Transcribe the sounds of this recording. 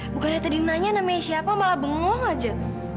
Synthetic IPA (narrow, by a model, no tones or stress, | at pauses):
bukanat̪ədinaɲanamesiapamalabəŋɔŋad͡ʒa